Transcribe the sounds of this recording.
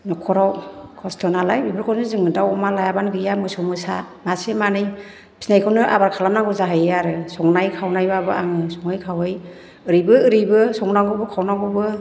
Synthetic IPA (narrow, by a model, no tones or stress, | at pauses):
nɔkʰɔɾawkʰɔstʰɔnalajbibɯɾkʰɔnsɯzɯŋɯdawɔmalajabanɡɯjamɯsumɯsa | masemanɯj | pʰi̥snajkʰɔnɯʔa̰baɾkʰalamnaŋɡuzaɦajeaɾɯsɔŋnajkʰawnajbabɯaŋɯsɔŋajkʰawɯj | ɯɾijbɯɯɾɯbɯsɔŋnaŋɡubɯkʰawnaŋɡubɯ